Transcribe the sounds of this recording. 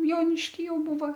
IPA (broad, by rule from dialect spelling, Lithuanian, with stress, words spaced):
ˈjoːnʲɪʃʲkʲiː ˈjɛʊ ˈbuːʋɐ